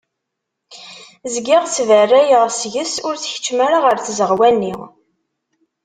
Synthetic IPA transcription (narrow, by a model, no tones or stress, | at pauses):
zɡiʁt͡sːvərːæjəʁsʝəsʊɾθç̥t͡ʃːmaɾaʁəɾθzəʁwænːi